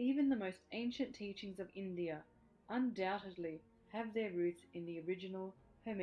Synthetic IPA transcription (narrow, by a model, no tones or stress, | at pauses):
ivɨ̃nðəmoʊstẽɪ̃nʃɨ̃ntʰit͡ʃɪ̃ŋzʌvɪ̃ndiɨ | ʔə̃ndaʊɾɨdˡli | ɨvðə˞ɹʉθɨ̃nðiə˞ɪd͡ʒɨnl̩ˠ | həm